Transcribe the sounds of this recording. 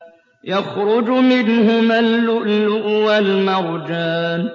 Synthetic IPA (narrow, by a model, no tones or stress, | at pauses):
jaxɾʊd͡ʒmɪnhʊmalːʊʔlːʊʔwalmaɾˤd͡ʒaːn